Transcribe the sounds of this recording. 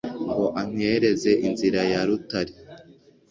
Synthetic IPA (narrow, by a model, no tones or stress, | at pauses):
ŋɡo̞ʔaŋ̥he̞ɾe̞ze̞ʔinziɾajaɾutaɾi